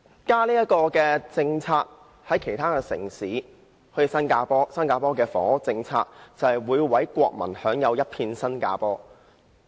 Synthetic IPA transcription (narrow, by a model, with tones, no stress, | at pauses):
kaː˥liː˥jɐ˥t̚kɔː˧kɛː˧t͡sɪ˧ŋt͡sʰaː˧k̚ | hɐ˨˥jkʰe˨˩jt̪ʰaː˥kɛː˧sɪ̰˨˩ŋsiː˨˥ | hɵ˧sɐ˥nkaː˧pɔː˥sɐ˥nkaː˧pɔː˥kɛː˧fɔ̰ː˨˥ŋ˥t͡sɪ˧ŋt͡sʰa̰ː˧k̚t͡sɐ˨hɐ˨jwuː˨˧jwɐ˨˥jkʷɔ̰ː˧k̚mɐ̰˨˩nhœː˨˥ŋjɐ˨˧wjɐ˥t̚pʰiː˧nsɐ˥nka̰ː˧pɔː˥